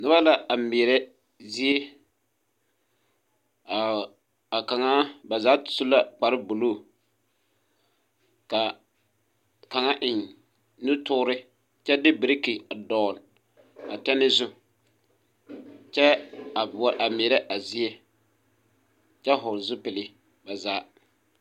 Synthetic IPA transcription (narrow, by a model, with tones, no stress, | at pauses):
nʊ˦ba˦la˨a˨meː˨ɾɛ˦ | zi˦e˦ | a˨ | a˨ka˨ŋa˦ba˨zaː˨˦˨sʊ˦la˦k͡pa˨ɾɪ˦bʊ˨loː˦˨ | ka˨ | ka˨ŋa˦ʔɪ˨n | nu˦tʊ˦ɾɪ˦ | t͡ʃɛ˦dɪ˦bɪ˨ɾɪ˦ki˨a˨dɔ˨n˨ | a˨tɛ˦nɪ˦zʊ˦ | t͡ʃɛ˦a˨bʔa˨meː˨ɾɛ˦ʔa˨zi˦e˦ | t͡ʃɛ˦ɦʊ˨ɾzʊ˦pɪ˨lɪ˦ | ba˨zaː˨˦